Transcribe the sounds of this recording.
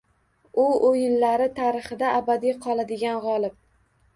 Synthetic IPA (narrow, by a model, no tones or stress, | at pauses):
ʊojɪnlaɾɪt̪ʰaɾɪχɨd̪aʔːbad̪ijqʰɒlˠad̪ɪɡʲanʁɒlˠɪp̚